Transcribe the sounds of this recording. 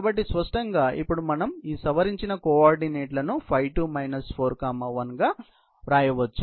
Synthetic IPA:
bɐʈːispɐʂʈɐŋɡaːʔḭpːuɽumɐnɐmiːsɐʋɐɾiɲt͡ʃinɐkoːaːɾɖineːʈlɐnupʰɐjʈumɐjnɐspʰoːɾkaːmaːʋɐnɡaː | ɾaːjɐʋɐt͡ʃːu

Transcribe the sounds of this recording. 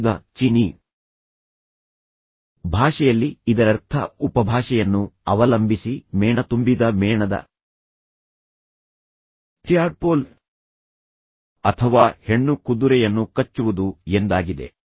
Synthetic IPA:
d̪ɐt͡ʃini | bʱaːʂɛjɐlːiid̪ɐɾɐɾt̪ʰɐ̰upɐbʱaːʂɛjɐnːuɐʋɐlɐmbʱisimɛːɳɐt̪umbid̪ɐmɛːɳɐd̪ɐ̰ | t̪ɾijaːɖ̚po̞ːl | ɐt̪ʰɐʋaːhe̞ɳːukud̪uɾɛjɐnːukɐt͡ʃːuʋud̪uend̪aːɡid̪e̞̰

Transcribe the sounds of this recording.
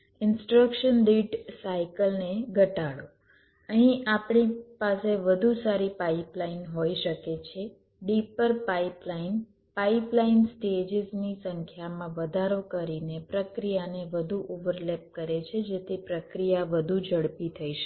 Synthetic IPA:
ɪnsʈɾəkʃənɖiʈsaikəlneɡʱəʈaɭo | əɦĩʔapɳipaseʋəd̪ʱusaɾipaiplainɦoiʃəket͡ʃʰe | ɖipəɾpaiplain | paiplainsʈed͡ʒɪznisəŋkʰjamãʋəd̪ʱaɾokəɾinepɾəkɾijaneʋəd̪ʱuʔoʋəɾlep̚kəɾet͡ʃʰed͡ʒet̪ʰepɾəkɾijaʋəd̪ʱud͡ʒəɽpit̪ʰəiʃ

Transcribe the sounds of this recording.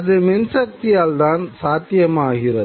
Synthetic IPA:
ðɯmɪnsɐk̚t̪ɪjaːld̪aːnsaːt̪jɐmaːɣɪrɐ

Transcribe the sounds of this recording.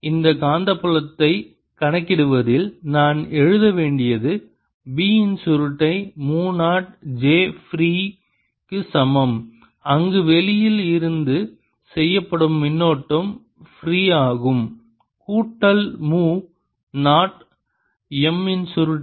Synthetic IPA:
ɪnd̪ɐkaːnd̪ɐpːɯɭɐt̪ːɐɪ | kɐɳɐkːɪɽɯʋɐðɪlnaːnɛɻɯðɐʋeːɳɖɪjɐðɯ | biːɪnsʊɾɯʈːɐɪmuːnaːʈ̚d͡ʒeːfɾiː | kɯsɐmɐm | ɐŋɡɯʋɛlɪjɪlɪɾɯnd̪ɯ | sɛjːɐpːɐɽɯmːɪnːoːʈːɐm | fɾiːaːɣɯm | kuːʈːɐlmuː | naːʈ | ɛmɪnsʊɾɯʈː

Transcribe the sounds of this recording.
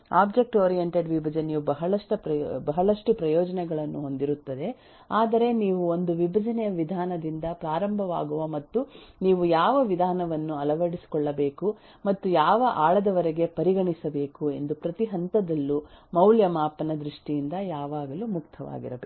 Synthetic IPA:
aːbd͡ʒek̚ʈoːɾijeɳʈeɖʋibʱɐd͡ʒɐnijubɐɦɐɭɐʂʈɐpɐbɐɦɐɭɐʂʈupɾɐjɔːd͡ʒɐnɛɡɐɭɐnːuɦo̞nd̪iɾut̪ːɐd̪e̞ | aːd̪ɐɾe̞niːʋuo̞nd̪uʋibʱɐd͡ʒɐnɛjɐʋid̪ʱaːnɐd̪ind̪ɐpɾaːɾɐmbʱɐʋa̰ːɡuʋɐmɐt̪ːuniːʋujaːʋɐʋid̪ʱaːnɐʋɐnːuɐlɐʋɐɽisi̥kɔɭːɐbe̞ːku | mɐt̪ːujaːʋɐʔaːɭɐd̪ɐʋɐɾɛɡe̞pɐɾiɡɐɳisɐbe̞ːkue̞nd̪upɾɐt̪iɦɐnt̪ɐd̪ɐlːumɐwljɐmaːpɐnɐd̪ɾiʂʈijind̪ɐjaːʋaːɡɐlumuk̚t̪ʰɐʋa̰ːɡḭɾɐbe

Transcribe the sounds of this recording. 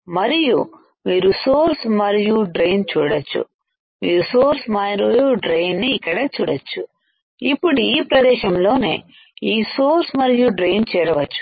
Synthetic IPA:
mɐɾijṵ | miːɾusoːɾsmɐɾijuɖɾejnt͡ʃuːɽɐt͡ʃːṵ | mḭːɾusoːɾsmɐɾijuɖɾejnːiːkːɐɽeːt͡ʃuːɽɐt͡ʃːu | ipːuɽuiːpɾɐd̪ɛːʃɐmlo̞ːne̞̰ː | iːsoːɾsmɐɾijuɖɾejnt͡ʃɛːɾɐʋɐt͡ʃːu̥

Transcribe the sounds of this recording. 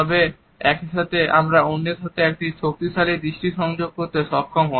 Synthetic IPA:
ɔbe | ɛkʃat̪eʔamɾaonːet̪ʰot̪eɛk̚ʈit͡ɕʰok̚t̪iʃalid̪ɾiʃʈiʃɔŋd͡ʑoɡ̚koɾt̪eʃɔb̚kʰɔmɦɔ

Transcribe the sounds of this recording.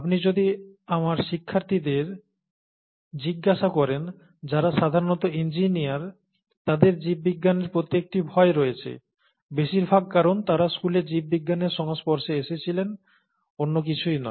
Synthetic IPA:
apnid͡ʑod̪iamaɾʃikʰːaɾt̪id̪eɾ | d͡ʑiɡːaʃakɔɾen | d͡ʑaɾaʃad̪ʱaɾonɔt̪oind͡ʑinijaɾ | t̪ad̪eɾd͡ʑib̚ːiɡːaneɾpɾot̪ːek̚ʈibʱɔeɾoet͡ɕʰḛ | beʃiɾbʱaɡ̚kaɾont̪aɾaskuleɾd͡ʑib̚biɡːaneɾʃɔŋaspɔɾʃeeʃet͡ɕʰilen | onːok̬it͡ɕʰujnɔ̰e

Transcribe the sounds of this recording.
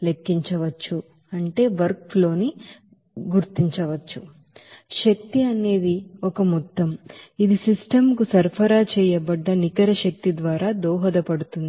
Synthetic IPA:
lekːiɲt͡ʃɐʋɐt͡ʃːu | ɐɳʈe̞ːʋɐɾklo̞ːni | ɡuɾt̪iɲt͡ʃɐʋɐt͡ʃːu | ʃɐk̚t̪iɐne̞ːd̪iɔkɐmɔt̪ːɐmid̪isisʈɐmkusɐɾpʰɐɾaːt͡ʃɛːjɐbɐɖːɐnikɐɾɐʃɐk̚t̪id̪ʋaːɾaːd̪ɔːɦɐd̪ɐpɐɽut̪und̪i

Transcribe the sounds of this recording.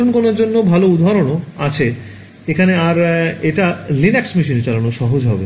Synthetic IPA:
onkonoɾd͡ʑonːobʱaloud̪ʱaɾonoat͡ɕʰe | ekʰaneaɾeʈalinɛksmiʃ̬inet͡ɕalanoʃɔɦod͡ʑɦɔbe

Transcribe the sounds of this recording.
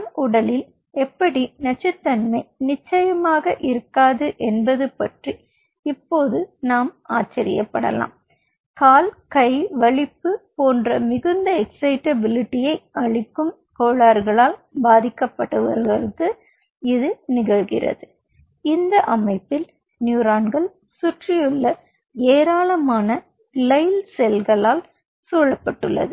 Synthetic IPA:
mʔʊɽɐlɪl | ɛpːɐɽinɐt͡ʃːɪt̪ːɐnmɐɪnɪt͡ʃːɐjɐmaːɣɐʔɪɾɯkːaːðɯʔɛnbɐðɯpɐʈri | ɪpːoːðɯnaːmaːt͡ʃːɐɾɪ̰jɐpːɐ̰ɽɐ̰la̰ːm | kaːlkɐɪʋɐɭɪpːɯpoːndrɐmɪɣɯnd̪ɐɛksɐɪʈɐbɪlɪʈːɪjɐɪʔɐɭɪkːɯm | koːɭaːɾɣɐɭaːlbaːðɪkːɐpːɐʈːɐʋɐ̰ɾɣɐɾɯkːɯ | ɪðɯnɪɣɐɭɣɪ̰rɐ̰ðɯ | ɪnd̪ɐʔɐmɐɪpːɪl | njuːɾaːnɡɐɭ | sʊʈrɪjɯɭːɐ | eːɾaːlɐmaːnɐ | lɐɪlsɛlɣɐɭaːl | suːɭːɐpːɐʈːɯɭːɐ̰ðɯ

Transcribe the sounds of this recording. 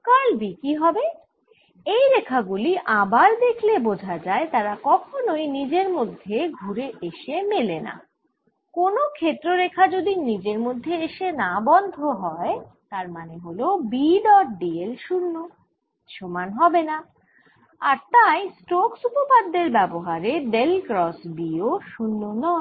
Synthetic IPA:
kalbikiɦɔbe | ejɾekʰaɡuliʔabaɾd̪ekʰlebod͡ʑʱad͡ʑaet̪aɾakɔkʰonojnid͡ʑeɾmod̪ʱːeɡʱuɾeʔeʃemelena̰ | konokʰet̪ːɾoɾekʰad͡ʑod̪inid͡ʑeɾmod̪ʱːeeʃenabɔnd̪ʱoɦɔet̪aɾmaneɦolobiɖɔʈ̚ɖielʃunːo | ʃʰomanɦɔbena | aɾt̪ajsʈoksupopad̪ːeɾbɛboɦaɾeɖelkɾɔsbioʃunːonɔ

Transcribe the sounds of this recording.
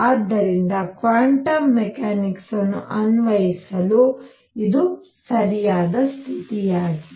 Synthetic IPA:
aːd̪ːɐɾind̪ɐkʋaːɳʈɐmːekaːniksɐnːṵʔɐnʋɐjisɐlu | id̪u | sɐɾijaːd̪ɐst̪ʰit̪ijaːɡi

